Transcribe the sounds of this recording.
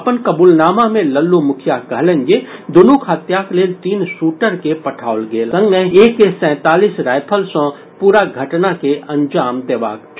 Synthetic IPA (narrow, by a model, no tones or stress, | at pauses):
ɐpənkɐbuːlnaːmamẽləlːumʊkʰjakəɦlẽŋɡed̪ʊnukʰɦət̪jakleːlt̪iːnsuːʈəɾkepɐʈʰaːolɡeːlsə̃ŋɡmẽeːkːesɛ̃ːt̪aːliːsɾaːjpʰəlsɔ̃ | puːɾaɡʱɐʈnakeʔɐ̃ɲd͡ʒaːmd̪eːʋa̰ːk̚